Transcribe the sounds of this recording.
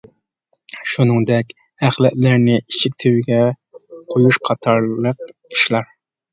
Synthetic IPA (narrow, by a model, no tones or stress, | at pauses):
ʃunɨŋd̪ɛkʲ | æχlɛʔ̪læɾnɪʔiʃik̚ʲt̪ʰewɪɡʲɛ | qʰojuʃqʰɑt̪ʰɑɾlˠəqi̥ʃlɑɾ